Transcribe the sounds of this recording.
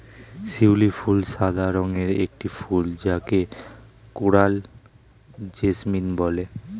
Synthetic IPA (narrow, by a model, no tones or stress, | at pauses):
siwlifulʃad̪ʱaɾoŋeɾḛk̚ʈifuld͡ʑakekoɽal | d͡ʑesminbɔle